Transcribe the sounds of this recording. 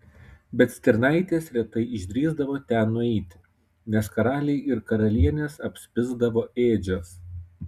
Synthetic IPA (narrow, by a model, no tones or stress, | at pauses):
bʲɛt̪sʲt̪ʲɛɾnɑˑɪt̪ʲeːsɾʲɛt̪ɐɪɪʒʲd̪ʲɾʲiːzd̪ɐʋoːt̪ʲænːʊɛɪt̪ʲ | nʲɛskɐɾɑːlʲɛɪʔɪɾkɐɾɐlʲiɛnʲeːsɐpʲsʲpʲɪzd̪ɐʋoːeːd͡ʒʲos